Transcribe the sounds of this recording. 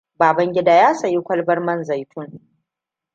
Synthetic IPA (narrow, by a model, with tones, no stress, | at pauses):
baː˨bɐ˦ŋɡʲɪ˦daː˦jaː˦sɐ˨ji˦kʷɐ˦lbɐ˦rmɐ˦nza˨jtʰʊ˦ŋ